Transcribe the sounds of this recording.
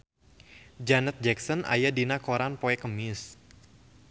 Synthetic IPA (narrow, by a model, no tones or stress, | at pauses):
d͡ʒanɛt̪̚d͡ʒɛksɔnʔa̰jadinakoɾanpoɛkəmɪs